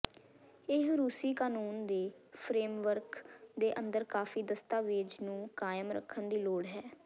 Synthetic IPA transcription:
ɪɦɾuːsiːkaːnuːnd̪eːpʰɾeːmʋəɾkd̪eːʔənd̪əɾkaːfiːd̪əst̪aːʋeːd͡ʒnũːkaːjəmɾə̰kʰːənd̪iːloːɽɦɛː

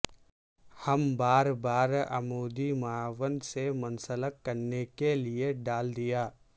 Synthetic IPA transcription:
hɐmbaːɾbaːɾɐ̰moːd̪imɐaːʋənd̪semɐnsələkːɐɾnekelieɖaːld̪ijaː

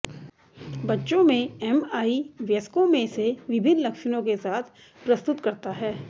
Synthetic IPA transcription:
bɐtːʃõmẽɛmaːiʋjɐskõmẽseʋɪbʱɪnlɐkʃnõkesaːt̪ʰ | pɾɐst̪ʊt̪kɐɾt̪aɦɛː

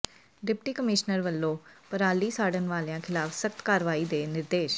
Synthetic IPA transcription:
ɖɪpʈiːkəmɪʃnəɾʋəlːõːpəɾaːliːsaːɽənʋaːljãːkʰɪlaːfsək̚t̪kaːɾʋaːiːd̪eːnɪɾd̪eːʃ

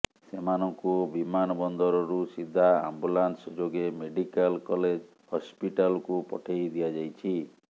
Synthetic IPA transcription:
semanɔŋkubimanɔbɔnd̪ɔɾɔɾusid̪ʱːaa̰mbulansɔd͡ʒoɡemeɖikalkɔled͡ʒ | hɔspiʈalɔkupɔ̰ʈʰejd̪ijad͡ʒajt͡ʃʰi

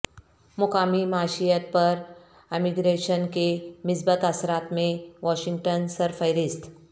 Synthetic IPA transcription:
mʊkaːmimaːʃijət̪̚pəɾ | emiɡɾeːʃənkemɪsbət̪ɐsɾaːt̪mẽʋɔːʃɪ̃ŋɡ̚ʈənsəɾfəjɾɪst̪ʰ

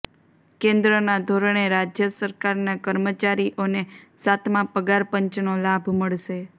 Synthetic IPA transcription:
kẽnd̪ɾənad̪ʱoɾəɳ̃eɾad͡ʒjəsəɾkaɾnakəɾmət͡ʃaɾiʔonesat̪ʰmãpəɡaɾpəɲt͡ʃnolabʱməɭʃe

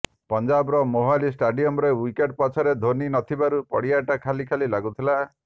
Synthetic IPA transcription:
pɔnd͡ʒabɔɾɔmoɦalisʈaɖiɔmɾewikeʈ̚pɔt͡ʃʰɔɾed̪ʱoninɔt̪ʰibaɾupɔ̰ɽiaʈakʰalikʰalilaɡut̪ʰila

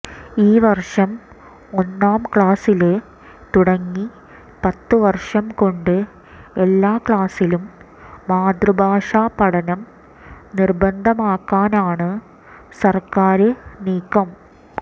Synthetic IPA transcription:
iːʋɐrʂɐm | o̞nːaːmkɭaːsilɨ | t̪uɽɐŋːi | pɐt̪ːɨʋɐrʂɐmko̞ɳɖɨ | elːaːkɭaːsilumː | aːd̪rubʱaːʂaːpɐɽɐnɐm | nirbɐnd̪ʱɐmaːkːaːnaːɳɨ | sɐrkaːɾɨniːkːɐm

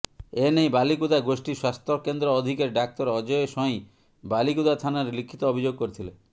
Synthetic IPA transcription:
enejbalikud̪aɡosʈiswast̪ɾɔkend̪ɾɔɔd̪ʱikeɾɖak̚t̪ɔɾɔd͡ʒɔeʃɔĩ | balikud̪at̪ʰanaɾelikʰːit̪ɔobʱid͡ʒoɡ̚koɾit̪ʰile

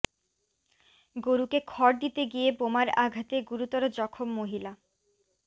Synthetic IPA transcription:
ɡoɾukekʰɔɾd̪it̪eɡijebomaɾaɡʱat̪eɡuɾut̪ɔɾod͡ʑɔkʰomːoɦila

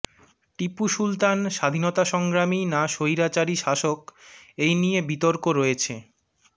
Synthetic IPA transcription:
ʈipuʃult̪anʃad̪ʱinot̪aʃɔŋɡɾaminaʃojɾat͡ɕaɾiʃaʃokejnijebit̪oɾkoɾɔet͡ɕʰe

